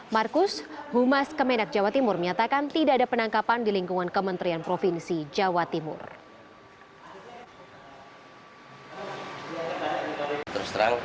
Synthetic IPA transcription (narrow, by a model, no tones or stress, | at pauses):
markʊshumaskəmɛnak̚d͡ʒawat̪imʊrməɲat̪akant̪idaadapənaŋkapandiliŋkuŋankəmənt̪ɾianpɾofinsid͡ʒawat̪imʊ̰r | t̪ərst̪ɾa̰ŋ